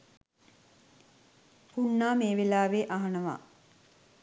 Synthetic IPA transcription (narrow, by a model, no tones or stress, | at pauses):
punːaːmeːʋilaːʋeːʔaɦanəʋa̰ː